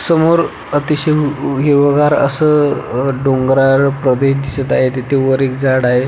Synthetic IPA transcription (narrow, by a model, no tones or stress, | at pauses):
səmoɾ | ət̪iɕeɦeʋəɡaɾə̰səɖoŋɡɾaɾpɾəd̪eɕd̪isət̪aɦet̪et̪ʰeʋəɾekd͡zaɽaɦe